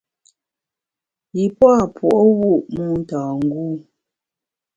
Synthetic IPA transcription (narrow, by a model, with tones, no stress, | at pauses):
ji˨pwa˦˨pwɔ˨ʔɔ˦wu˦˨ʔmu˦n̩˦taː˨ŋ̩˦ɡuː˦˨